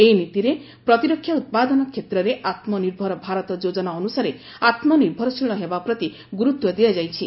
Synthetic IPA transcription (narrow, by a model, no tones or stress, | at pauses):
ejnit̪iɾe | pɾɔt̪iɾɔkʰːjaut̪̚pad̪ɔnɔkʰjet̪ɾɔɾeʔat̪mɔniɾbʱɔɾɔbʱaɾɔt̪ɔd͡ʒod͡ʒɔnaɔnusaɾe | at̪mɔniɾbʱɔɾɔsiɭ̃ɔɦebapɾɔt̪i | ɡuɾut̪wɔd̪iad͡ʒajt͡ʃʰi